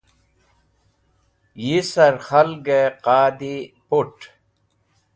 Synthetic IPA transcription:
jisɐɾxɐlɡeqaːd̪ipuʈ

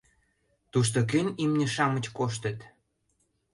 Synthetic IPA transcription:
t̪uʃt̪ok̬ønʲimnʲĕʃɑmə̆t͡ɕkoʃ̬t̪ə̆t̪

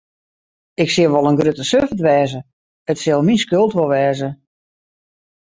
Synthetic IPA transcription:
ɪksiəʋɔlˠənɡrøtəsøfətʋɛːzə | ətsɪlˠminskølˠtʋolˠʋɛːzə

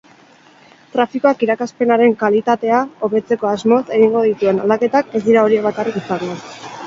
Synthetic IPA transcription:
t̪ɾafikoakiɾakaspe̞naɾe̞ŋkalit̪at̪e̞ao̞βe̞t͡se̞ko̞azmo̞se̞ɣ̞iŋɡo̞ðit̪ue̞na̰ld̪ake̞t̪ake̞zd̪iɾao̞ɾieβ̞akarikisaŋɡo

